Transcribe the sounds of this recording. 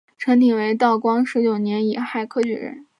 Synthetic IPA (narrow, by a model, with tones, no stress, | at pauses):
ʈ͡ʂʰɤ˧˥ŋt̪i˨˩ŋwe˧˥ɪt̪̬ɑ˥˩ʊkwɑ˥ŋʂɻ̩˧˥t͡ɕjo˨˩ʊnjɛ˧˥ni˨˩xa˥˩ɪkʰɤ˥t͡ɕy̰˥˩ɻə̰˧˥n